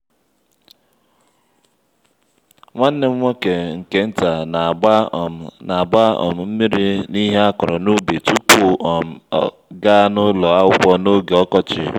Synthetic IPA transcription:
ŋʷa˦n̩˦ne˦ŋʷo˦ke˨ŋ̩˨ke˨n̩˦ta˨n˨˦˨na˨ba˦ɔ̰˨m̩˨m̩˦mi˦ɾi˦ni˦ɦe˦a˦kɔ˨ɾɔ˨no˦be˨tu˦pm̩˨˦ | ɡa˦nʊ˦lɔ˨a˦wɡ͡bɔ˦no˦ɡe˨ɔ˦kɔ˦t͡ʃɪ̰˨

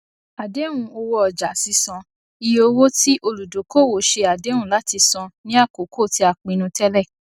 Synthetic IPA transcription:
a˨de˨˦wũ˧o˧wɔ˧ɔ˨d͡ʒa˨si˨˧˦sɔ̃˧ | i˧jo˧wo˦ti˦ʔo˧lu˨do˨˦ko˦˨wo˨ʃe˧a˨dẽ˨˦ũ˦la˨˦ti˧sɔ̃˧nĩ˦a˦˨ko˨˦kʰo˦˨ti˧˦a˧˨k͡pĩ˧nũ˧tɛ˦lɛ˦˨

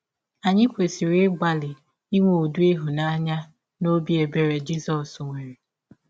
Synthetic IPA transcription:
a˨ɲɪ˦kʷe˨si˨ɾɪ˦ɡ͡ba˨lɪ˨ | i˦ŋʷo˦˨o˨du˦e˦ɦu˨na˦ɲa˦ | no˦bi˨˦e˨be˨ɾe˨d͡ʒi˦sɔ˨sŋʷe˨ɾe˨

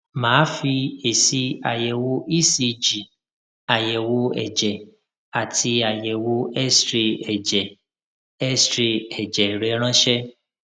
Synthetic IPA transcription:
mãː˨˦fi˧e˨si˧a˨jɛ˨wo˧ʔi˦si˧d͡ʒi˨ | a˨jɛ˨wo˧˦ɛ̰˨d͡ʒɛ˨ | a˨tʰi˧a˨jɛ˨wo˧˦ɛ˦stɾe˧ɛ˨d͡ʒɛ˨ | ɛ˦stɾe˧ɛ˨d͡ʒɛ˨ɾɛ˨˦ɾ̃ã˦ʃɛ˦

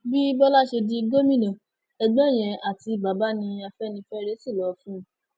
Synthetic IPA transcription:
bi˦bɔ˦la˦ʃe˧di˦ɡo˦mĩ˦˨nã˨ | ɛ˧ɡ͡bɛ̃˦˨j̃ɛ̃˧a˨ti˧ba˨˦ba˦nĩ˧a˧fɛ˦nĩ˧fɛ˦ɾe˦si˦˨lɔ˨˦fũ˦˨

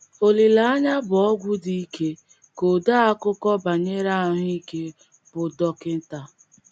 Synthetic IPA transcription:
o˨li˨la˦a˦ɲa˦bʊ˨ɔ˦ɡʷu˦di˦i˦ke˦ | ko˨da˦a˦kʊ˦kɔ˦ba˨ɲe˦ɾa˦ɦi˦ke˦ | b̥ʊ˨dɔ˦kɪ˦n̩˦ta˦

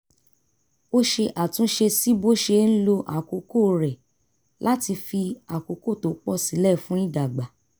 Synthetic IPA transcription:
o˦ʃe˧ʔa˨tũ˨˦ʃe˧si˦bo˦ʃe˧n̩˦lo˧ʔa̰˨ko˨˦ko˦˨ɾɛ˨ | lʔa˦ti˧fi˧a˨ko˨˦ko˦˨to˨˦k͡pɔ˦˨si˨˦lɛ˦˨fũ˦nĩ˦da˨ɡ͡ba˨˦

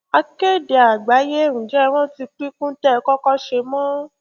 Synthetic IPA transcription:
a˧ke˦˨de˨a˨ɡ͡ba˨˦je˦˨ɾ̃ũ˨d͡ʒɛ˦w̃ɔ̃˦ti˧k͡pi˦kũ˦tɛ˦˨˧kɔ˦kɔ˦ʃe˧mɔ̃˦

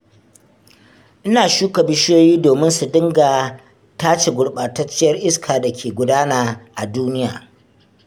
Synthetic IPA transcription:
ʔɪ˦naː˨ʃuː˦kɐ˨bɪ˦ʃjoː˦jiː˦doː˨mɪ˦nsu˨dɪ˦ŋɡaː˨ | taː˦t͡ʃe˨ɡʷʊ˨ɽɓaː˨tɐ˦t͡ʃːɪ˦jɐ˦rʔɪ˦skʰaː˨da˨kʲʰeː˨ɡʷʊ˦daː˦naː˨ʔa˨duː˦nɪ˦jaː˨

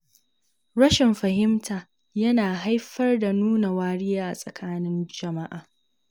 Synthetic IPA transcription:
ɽɐ˦ʃɪ˨mɸɐ˨ɦɪ˦mtʰaː˨ | jɐ˦naː˨ɦa˦jɸɐ˦rda˨nuː˦na˨waː˦ɽɪ˦jaː˦ʔa̰˨sʼɐ˨kʰaː˦nɪ˦nd͡ʒɐ˨ma˦ʔaː˨

